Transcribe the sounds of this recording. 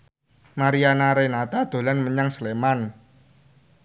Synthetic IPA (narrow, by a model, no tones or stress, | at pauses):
maɾianaɾenat̪ad̪̥o̤lanməɲaŋsəleman